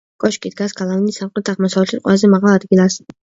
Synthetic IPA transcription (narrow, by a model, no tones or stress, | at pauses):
kʼɔʃkʼid̪ɡasɡalˠavinisamqʼɛt̪ʰaʁmɔsavɛlʃiqʼwɛlˠazɛmaʁalˠad̪ɡilˠas